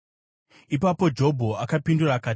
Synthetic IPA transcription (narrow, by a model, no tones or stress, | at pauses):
ipapo̞d͡ʒo̞bʱo̞akapinduraːkaːt